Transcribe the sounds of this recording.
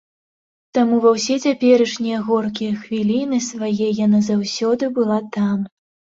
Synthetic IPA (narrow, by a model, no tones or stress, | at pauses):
t̪amuvɐwsʲɛt͡sʲapʲɛɾɐʂnʲijɐɣɔrkʲijɐxvʲilʲinɨsvajɛjanazawsʲɔd̪ɨbɨlˠat̪am